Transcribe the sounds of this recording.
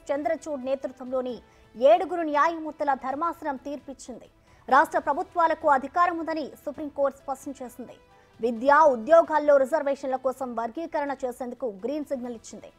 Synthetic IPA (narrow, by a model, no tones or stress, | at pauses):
t͡ʃend̪ɾɐt͡ʃuːɖneːt̪ɾut̪ʋɐmlo̞ːni | eːɽuɡuɾunijaːjɐmuːɾt̪ːɐlɐd̪ʱɐɾmaːsɐɾɐmt̪iːɾpit͡ʃːind̪i | ɾaːʂʈɾɐpɾɐbʱut̪ʋaːlɐkuɐd̪ʱikaːɾɐmund̪ɐnisupɾimko̞ːɾʈspɐʂʈɐnt͡ʃe̞ːsind̪ḭ | ʋid̪jaːud̪jɔːɡaːlːo̞ːɾizɐɾʋeːʂɐnlɐkɔːsɐmʋɐɾɡiːkɐɾɐɳɐt͡ʃe̞ːseːnd̪ukuɡɾiːnsiɡnɐlit͡ʃːind̪ḭ